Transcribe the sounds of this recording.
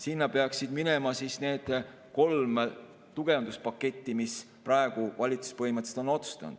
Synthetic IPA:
sinːɑpe̞ɑksid̪̥minemɑsisne̞ːd̪̥ | ko̞lm | t̪uɡ̥e̞ɑnd̪̥uspɑkːˑe̞t̪ʲːimis | pɾɑe̞ɡ̥uvɑlʲit̪su̥spɤɦimɑt̪se̥t̪o̞no̞t̪su̥st̪ɑ̰n̰d̪̥

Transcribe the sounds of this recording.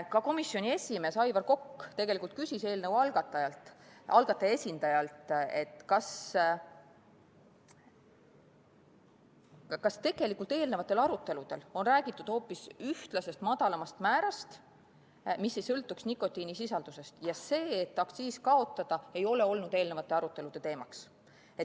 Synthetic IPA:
kɑko̞misːjo̞nie̞sʲime̞ːsɑjvɑrko̞kːt̪e̞ɡ̥elikˑult̪̚kysʲise̞ːlnəvwɑlɡ̥ɑt̪ːˑɑjɑlt̪ɑlɡ̥ɑt̪ːˑɑje̞sʲind̪ɑjɑlt̪e̞t̪ːˑkɑs | kɑst̪e̞ɡ̥e̞likːˑult̪e̞ːlnevɑt̪ːˑe̞lɑɾut̪ːˑe̞lud̪̥e̞lo̞nræːɡ̥it̪ːˑud̪̥ho̞ːpːisyht̪lɑse̞st̪mɑd̪ɑlɑmɑst̪mæːɾɑst̪ | misːe̞jsɤlt̪ːˑuksnikːˑo̞t̪ːinisisɑld̪̥use̞st̪jɑse̞ːet̪ːɑkssiːskɑo̞t̪ːˑɑd̪̥ɑe̞jo̞le̞o̞lnud̪̥e̞ːlne̞vɑt̪ːˑe̞ɑɾut̪ːˑe̞lud̪̥e̞t̪e̞ːmɑks | e

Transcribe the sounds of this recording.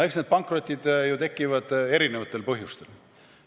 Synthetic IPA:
eksned̪̚pɑŋkro̞t̪ʲːˑid̪̥jut̪e̞kˑːivɑd̪̥e̞ɾine̞vɑt̪ːˑelpɤɦjust̪e̞l

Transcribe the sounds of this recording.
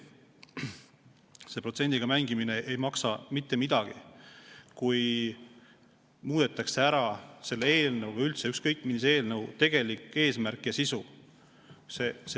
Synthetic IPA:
se̞pro̞t̪se̞nʲd̪̥iɡ̥ɑmæŋɡ̥imine̞ʔejmɑksɑmit̪ːe̞mid̪̥ɑɡ̥ḭ | kuj | muːd̪̥e̞t̪ːˑɑkse̞æɾɑse̞lːee̞ːlnɤwvylt̪seykskɤ̞jkːˑminise̞ːlnɤwt̪e̞ɡ̥e̞likːˑe̞ːsmærkˑjɑsisu | ses

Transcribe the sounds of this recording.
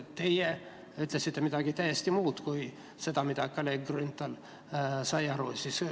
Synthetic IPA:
t̪eje | yt̪lesit̪ːemit̪ɑɡ̥it̪æjest̪imuːt̪kui | se̞t̪ɑmit̪ɑkːɑleɡrynt̪ːˑɑl | sɑjɑɾusis

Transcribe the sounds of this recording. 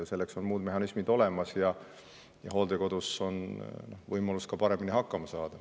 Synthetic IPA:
se̞lːe̞kso̞nmuːd̪me̞ɦɑnismid̪o̞le̞mɑsjɑ | jɑ̰ɦo̞ːld̪eko̞d̪̥uso̞nno̞vɤjmɑluskɑpɑɾe̞miniɦɑkːɑmɑsɑːd̪̥ɑ

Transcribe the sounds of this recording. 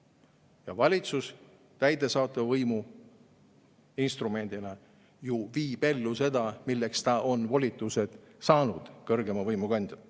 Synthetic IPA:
jɑvɑlʲit̪sus | t̪æjd̪e̞sɑːt̪ːˑɑvvɤjmu | inst̪rume̞nʲd̪̥inɑ | juviːbe̞lːuse̞d̪ɑmilːekst̪ɑʔo̞nvo̞lʲit̪ːˑuse̞d̪̥ | sɑːnud̪̥kɤrɡe̞mɑvɤjmuɡɑnd̪̥jɑ

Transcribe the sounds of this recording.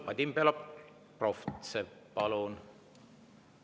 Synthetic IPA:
pɑd̪ʲimpelɑp | proft̪sepɑlun

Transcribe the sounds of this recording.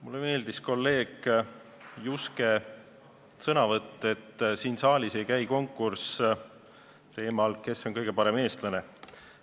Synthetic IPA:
mulːeme̞ːld̪isko̞lːe̞ːɡ̥ | juske̞ | sɤnɑvɤt̪ːˑe̞t̪ːsiːnsɑːlʲise̞jkæjko̞ŋkːˑurs | t̪e̞ːmɑlke̞so̞ŋkɤjɡ̥e̞pɑɾe̞me̞ːst̪lɑne̞

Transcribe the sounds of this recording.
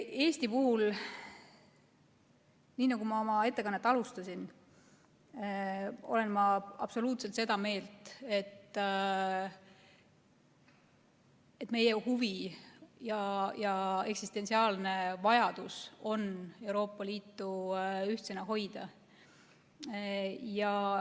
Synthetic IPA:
e̞ːsʲt̪ipuhul | niːnɑɡ̥umɑo̞mɑe̞t̪ːe̞kɑnːet̪ːˑɑlust̪ɑsʲin | o̞̰le̞nmɑɑ̰b̥so̞luːt̪se̞lt̪se̞d̪ɑme̞ːlt̪ˑe̞t̪ː | e̞t̪ːme̞jehuvijɑjɑe̞ksist̪e̞nsiɑːlne̞vɑjɑd̪̥uso̞ne̞wɾo̞ːpːˑɑliːt̪ːuyht̪seneɦo̞jd̪̥ɑ | jɑ

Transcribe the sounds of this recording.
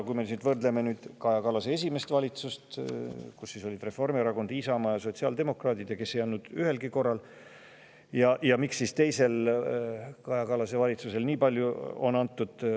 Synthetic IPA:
kujmenyːd̪vɤrd̪leme̞nyːd̪̥kɑjɑkɑlɑsee̞s̬ʲime̞st̪vɑlʲit̪sust̪kusːiso̞lʲid̪re̞fo̞rmiɾɑko̞nd̪̥iːsɑmɑjɑso̞t̪siɑld̪e̞mo̞krɑːd̪id̪̥jɑke̞sːe̞jɑnːud̪̥yhe̞lɡiko̞rːɑl | jɑjɑmiksːist̪e̞jse̞l | kɑjɑkɑlɑse̞vɑlʲit̪suse̞lniːpɑlʲjuo̞̰nɑnt̪ːud̪̥

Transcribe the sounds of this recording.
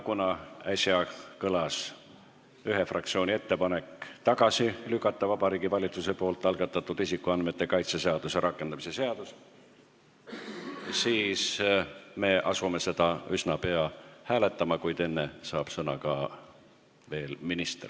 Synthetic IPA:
kunɑæsʲjɑkɤlɑs | yɦe̞frɑkt̪sio̞ːnʲie̞t̪ːe̞pɑne̞kːˑt̪ɑɡ̥ɑsilykːˑɑt̪ːɑvɑb̥ɑɾiːɡivɑlʲit̪suse̞po̞ːlt̪ːˑɑlɡ̥ɑt̪ːˑɑt̪ːˑud̪̥isikːuɑnd̪me̞t̪ːe̞kɑjt̪sese̞ɑd̪̥use̞ɾɑkːˑe̞nd̪̥ɑmise̞se̞ɑd̪̥us | siːs | me̞ʔɑsume̞se̞d̪̥ɑysnɑpe̞ɑhæːle̞t̪ːˑɑmɑkujd̪e̞nːe̞sɑːb̥sɤnɑkɑ | ve̞ːlminist̪r

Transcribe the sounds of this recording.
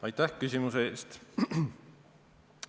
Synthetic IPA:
ɑjt̪ːæhkysʲimuseeːst̪

